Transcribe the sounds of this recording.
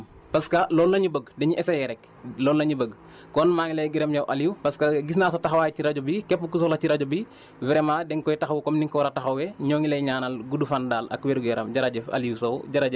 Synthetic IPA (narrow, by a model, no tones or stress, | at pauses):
pɐskɐlɔːlnɐɲubəɡdɛɲiʔɛsɐjɛɾɛk | lɔːlnɐɲibəɡ | kɔnmaːŋilɐjɡiɾɐmjɐwʔɐliwpɐskɐɡis̬naːs̬ɐtɐxɐwaːjciɾɐɟɔbikɛpːukus̬ɔlɐciɾɐɟɔbi | wɛɾɛmaːdɛŋkɔjtɐxɐwkɔmniŋkɔwɐɾɐtɐxɐwɛɲɔːŋilɐjɲaːnɐlɡudufandaːlɐ̰kwɛɾuɡɛɾɐ̰mɟɐɾɐɟɛfɐ̰liwsɐwɟɐɾɐɟɛ